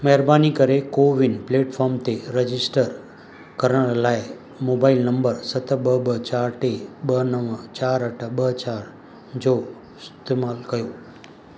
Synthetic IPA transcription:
məɦɛɾbanikəɾekoʋinpleʈfʰɔɾmt̪ʰeɾəd͡ʒisʈəɾ | kəɾəɾlae | mobailnəmbəɾsət̪ʰəbəbət͡ʃaɾʈebənəʋət͡ʃaɾəʈʰəbət͡ʃaɾ | d͡ʒo | st̪emalkəjo

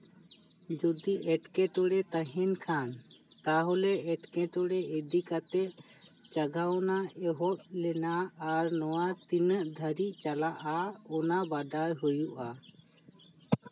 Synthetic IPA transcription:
d͡ʒɔd̪iʔɛʈkɛʈ̪ɔɽɛt̪əɦɛnkʰant̪aɦɔlɛɛʈkɛ̃ʈ̪ɔɽɛed̪ikat̪ɛʔt͡ʃaɡawnaɛɦɔt̪̚lɛnaːɾnɔwat̪inəʔd̪ʱəɾiʔt͡ʃalaʔaɔnabaɖajɦujuʔa

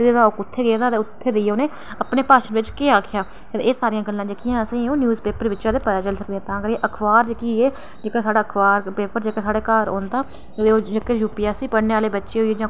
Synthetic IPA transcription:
d̪eːɾaːokʊt̪ʰːeːɡeːd̪aːt̪eːʊt̪ʰːeːd̪eiːoːneː | əpneːpaːʃənʋɪt͡ʃkeːaːkʰɪjaː | t̪eeːsaːɾijãːɡəlːãːd͡ʒekijãːəsĩːõːnjuːzpeːpəɾʋɪːt͡ʃãd̪eːpəd̪aːt͡ʃəlsək̚d̪eːɦɛ̃ːt̪ãːkəɾeʔəkʰʋaːɾd͡ʒekiːeː | d͡ʒeːkãːsaːɽaːəkʰʋaːɾpeːpəɾd͡ʒeːkaːsaːɽeːkaːɾo̰ːnd̪aː | d̪eːoːd͡ʒekejuːpijaːsiːpəɽneːʋaːleːbətːʃeːɦoieːd͡ʒãː

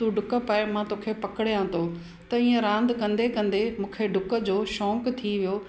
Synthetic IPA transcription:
t̪uɖʱʊkəpəemãt̪oːkʰepɐkɪɽjãt̪ʰoː | t̪ɐiːə̃ɾãːnd̪kɐ̃nd̪ekɐ̃nd̪emũːkʰeɖʱʊkə̆d͡ʑoːʃɔ̃ːkt̪ʰiʋijoː

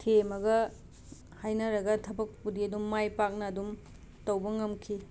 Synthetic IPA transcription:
tʰemɐɡɐ | hajnɐɾɐɡɐtʰɐbɐk̚pudiɐdumːajpak̚nɐːdum | tɐwbɐŋɐmkʰi

